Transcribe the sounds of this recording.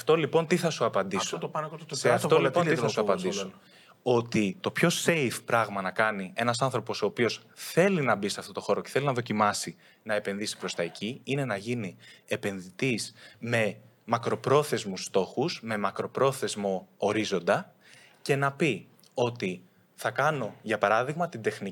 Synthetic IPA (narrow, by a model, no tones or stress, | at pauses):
ɐft̪o̞lipo̞nt̪iθɐsuɐpɐnd̪isoɐseɐftolpoiɐsuɐpɐnd̪iso | o̞t̪it̪o̞pço̞se̞ifpɾɐɣmɐnɐkɐnie̞nɐsɐnθɾo̞po̞so̞ːpio̞sθe̞linɐbiseɐft̪o̞t̪o̞xo̞ɾo̞ce̥θe̞linɐðo̞cimɐsi | nɐe̞pe̞nðisi̥pɾo̞st̪ɐecʰiine̞nɐʝinie̞pe̞nðit̪isme̞ | mɐkɾo̞pɾo̞θe̞zmust̪o̞xusme̞mɐkɾo̞pɾo̞θe̞zmo̞oɾizo̞nd̪ɐ | ce̞nɐpi | o̞t̪i | θɐkɐno̞ʝɐpɐɾɐðiɣmɐt̪ind̪e̞xni